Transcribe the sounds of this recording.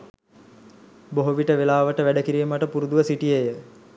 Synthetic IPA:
boɦuʋiʈəʋelaːʋəʈəʋæɖəkiɾiːməʈəpuɾud̪uʋəsiʈijejə

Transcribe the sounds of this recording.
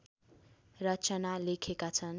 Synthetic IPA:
rʌt͡sanalekʰekat͡sʰʌn

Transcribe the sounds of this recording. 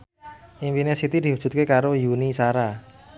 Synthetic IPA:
ʔinfinesit̪id̪̥i̤ɦu̥d͡ʒ̥ṳt̪̚kekaɾojunisaɾa

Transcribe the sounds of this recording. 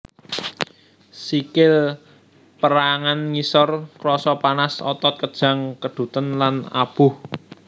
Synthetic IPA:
sikɪl | pəɾaŋanŋisɔrkɾɔsɔpanasɔt̪ɔt̪̚kəd̥ʒ̥ä̤ŋkəɖ̪̥ṳt̪ənlana̰b̥ʊh

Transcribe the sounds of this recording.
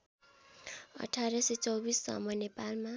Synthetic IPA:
ʌ̰ʈʰaɾʌset͡sʌwbisːʌ̰mʌjnepalma

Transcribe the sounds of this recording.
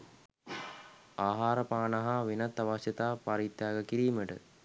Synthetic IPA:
aːɦaːɾəpaːnaɦaʋinat̪ːaʋasət̪aːpaɾit̪jaːɡəkiɾiːməʈə̰

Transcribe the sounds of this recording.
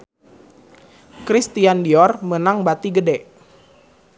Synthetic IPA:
kɾist̪iandiɔrmənaŋbat̪iɡədɛʔ

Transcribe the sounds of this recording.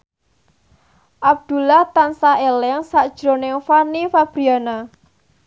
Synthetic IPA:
ʔab̚d̪̥ṳlaht̪ansaʔelɛŋsaʔd̥ʒ̥ɾo̤nɪŋfanifab̥ɾiana

